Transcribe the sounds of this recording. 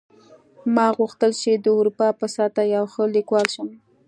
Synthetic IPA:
mɑɣuxt̪əlt͡ʃed̪əʊɾupɑpəsat̪ajawxəlikwɑlʃəm

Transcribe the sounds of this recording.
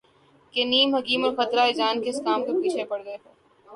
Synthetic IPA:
keniːmɦɐkiːmɔːɾxɐt̪ɾaɪd͡ʒaːnkeɪskaːmkepiːt͡ʃʰepɐɽɡɐeɦeː

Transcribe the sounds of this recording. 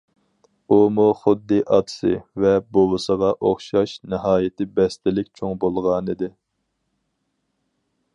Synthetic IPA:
umuχʊd̪ːɨʔɑt̪ʰsɨ̰vɛbolɨsəʁɑʔoχʃɑʃnɨɦɑːjɪt̪ʰɪbɛst̪ɪlɪkʲt͡ʃʰoŋbolˠʁɑnɨd̪ɪ

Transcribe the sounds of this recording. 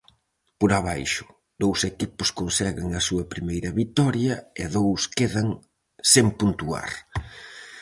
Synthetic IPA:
poɾɐβajʃʊ̥ | d̪owsekipʊskonsɛɣɪŋɐsuɐpɾimejɾɐβit̪ɔɾjɐeðowskeðɐŋ | sempunt̪ua̰ɾ

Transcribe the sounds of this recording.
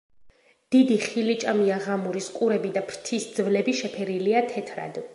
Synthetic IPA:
d̪̥id̪iχilit͡ʃʼamiaʁamuɾiskʼuɾɛbid̪apʰɾt̪ʰisd̪zvlɛbiʃɛpʰɛɾiliat̪ʰɛt̪ʰɾa̰d̪

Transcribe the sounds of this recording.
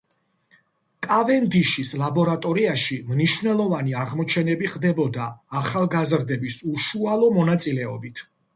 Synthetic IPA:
kʼavɛnd̪iʃislabɔɾat̪ʼɔɾiaʃimniʃvnɛlˠɔvaniaʁmɔt͡ʃʰɛnɛbiχd̪ɛbɔd̪aːχalˠɡazɾd̪ɛbisuʃualˠɔmɔnat̪sʼilɛɔ̰bit̪ʰ

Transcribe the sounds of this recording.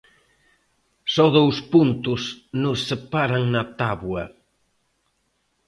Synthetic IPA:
sɔðowspunt̪ʊsnʊsːepaɾaŋnɐt̪aβwɐ

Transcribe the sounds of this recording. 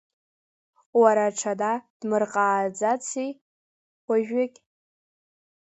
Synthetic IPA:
waɾaʈ͡ʂʰadad̥mɨrqʼaːd͡zat͡sʰijʷ | aʒᶣakʲʼ

